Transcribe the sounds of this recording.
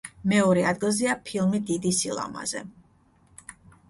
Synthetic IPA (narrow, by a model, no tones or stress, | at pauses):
mɛɔɾɛad̪ɡilˠziapʰilˠmid̪id̪isilˠa̰ma̰zɛ̰